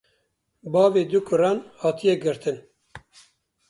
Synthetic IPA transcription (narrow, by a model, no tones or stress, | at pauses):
bɑːveːd̪ukʰʊɾɑːnhɑːt̪ʰijɛɡɨɾt̪ɨn